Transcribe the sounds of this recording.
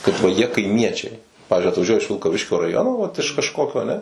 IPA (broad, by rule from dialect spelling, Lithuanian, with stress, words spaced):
kɐt ʋɐ ˈjiɛ kɐɪˈmʲiɛt͡ʃʲɛɪ ˈpɑːʋʲɪzʲd͡ʒʲʊɪ ɐtʋɐˈʒʲuɔjɛ ɪʃ ʋʲɪlˠkɐˈʋʲɪʃʲkʲoː rɐˈjoːnoː ʋɐt ɪʃ kɐʃˈkoːkʲoː ɐˈnʲɛ